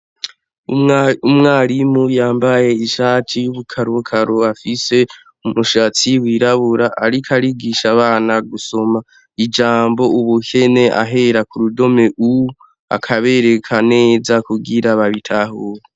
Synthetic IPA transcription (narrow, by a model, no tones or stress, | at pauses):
umŋaːɾimujaːmbaje̞iʃaːtʰijuβukʰaɾukʰaɾoafise̞ | umuʃat͡siwiːɾaβuɾaʔaɾikʰaɾiɡiʃaβaːnaɡuso̞ma | id͡ʒaːmbo̞uβuhene̞ʔa̰ɦe̞ɾakuɾudo̞me̞ʔu | a̰kʰaβe̞ɾe̞kʰane̞ːzakuɡiɾaβaβitʰaɦuːɾe